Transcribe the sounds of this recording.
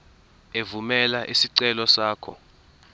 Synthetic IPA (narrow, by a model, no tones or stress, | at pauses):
evumɛlaʔisiǀɛlɔsaːkʰɔ̰